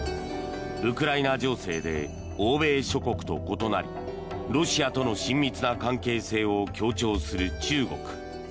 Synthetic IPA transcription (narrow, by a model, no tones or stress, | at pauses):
ɯ̟kɯ̟ɾainad͡ʑo̞ːse̞̰ːd̪e̞̰ | oːbe̞ːɕo̞ko̞kɯ̟̥t̪o̞̰ko̞t̪o̞na̰ɾʲḭ | ɾo̞ɕiat̪o̞no̞ɕĩmːʲit͡sɨnakãŋke̞ːse̞ːo̞kʲo̞ːt͡ɕo̞ːsɨɾɯ̟t͡ɕɨːɡo̞̰kɯ̟̥